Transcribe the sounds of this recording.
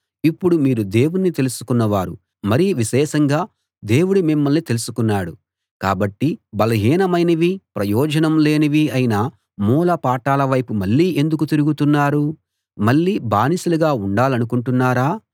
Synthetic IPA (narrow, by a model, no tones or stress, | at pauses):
ipːuɽumiːɾud̪e̞ːwunnit̪e̞lusu̥kunːɐʋaːɾṵ | mɐɾiʋiʃɛːʃɐŋɡaː | d̪e̞ːwuɽumimːɐlnit̪e̞lusukunːaːɽu | ka̰ːbɐʈːibɐlɐɦiːnɐmɐjnɐʋipɾɐjɔːd͡ʒɐnɐmle̞ːnɐʋiɐjinɐ | muːlɐpaːʈaːlɐʋɐjpumɐɭːiːe̞nd̪uk̬ut̪iɾuɡut̪unːaːɾu | mɐɭːiːbaːnisuluɡaːuɳɖaːlɐnukuɳʈunːaːɾaː